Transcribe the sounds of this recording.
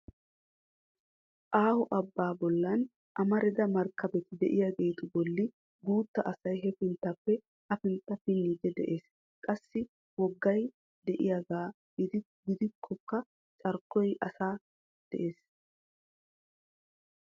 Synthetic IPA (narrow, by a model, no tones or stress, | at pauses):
ʔaːhʊʔɐbːaːbɔlːɐn | ʔɐmɐɾɪd̪ɐmɐɾkʰːɐbɛt̪ɪd̪ɛʔɪjaɡeːt̪ʊbɔlːɪ | ɡuːt̪ːɐʔɐsɐjɦɛfɪnt̪ːɐpːɛ | ʔɐfɪnt̪ːɐfɪnːiːd̪ɛd̪ɛʔe̞ːs | kʼɐsːɪ | wɔɡːɐj | d̪ɛʔɪjaɡaː | d̪ | ɡɪd̪ɪkʰːɔkːɐ | t͡ʃʼɐɾkːɔjʔɐsaː | d̪̥ɛ̰ʔe̞ːs